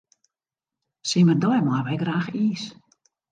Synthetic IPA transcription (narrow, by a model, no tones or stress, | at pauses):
simərdɔjmaʋɛjɡraːxiːs